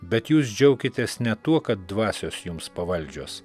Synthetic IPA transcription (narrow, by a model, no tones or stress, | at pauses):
bʲɛt̪juːs̬d͡ʒʲɛʊkʲɪt̪ʲeːsnʲɛt̪uɔkɐt̪̚d̪ʋɑːsʲoːsjʊmspɐʋɐlʲˑd͡ʒʲoːs